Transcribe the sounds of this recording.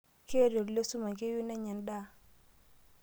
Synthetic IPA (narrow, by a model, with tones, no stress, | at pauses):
ke˦˨ɾo˨ɾlo˦su˦ma˨ke˦ju˦nɛ˦ɲɛ˨nda˦